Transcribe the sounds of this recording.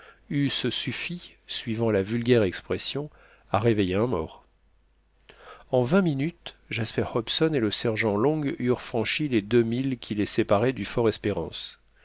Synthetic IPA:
yssyfi | sɥivɑ̃lavylɡʲɛʁɛkspχɛsjɔ̃ | aʁevejeɛ̃mɔ̰ːʁ | ɑ̃vɛ̃minyt̪ʒaspɛʁhɔpsɔneləsɛʁʒɑ̃lɔ̃ɡyʁfχɑ̃ʃiled̪ømilkʲʰilesepaʁɛd̪yfɔʁɛspeʁɑ̰̃s

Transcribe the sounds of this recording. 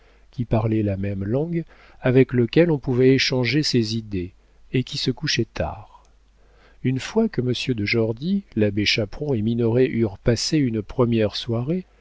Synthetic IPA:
kʲipaʁlɛlamɛmlɑ̃ɡ | avɛkləkʲɛlɔ̃puvɛeʃɑ̃ʒesezid̪e | ekʲisəkuʃɛt̪ʰa̰ʁ | ynfwakəməsjød̪əʒɔʁd̪ilabeʃapχɔ̃eminɔʁeʔyʁpaseynpχəmjɛʁswaʁe

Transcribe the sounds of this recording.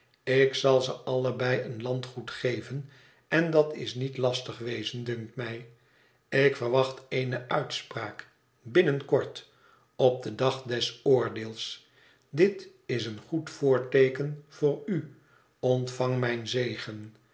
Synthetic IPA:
ɪksɑlˠzəʔɑləbɛjənlɑntχutχejvən | ɛndɑtɪ̰snitlɑstəχʋejzəndʏŋk̚tmɛj | ɪkfərʋɑχteɪnəʔœɥtspraːk | bɪnənkɔɹt | ɔp̚dədɑχdɛsʊːɹdɪːlˠs | dɪt | ɪsənχutfʊːɹtejkənv̥ʊːry | ɔntfɑŋmɛjnzejχən

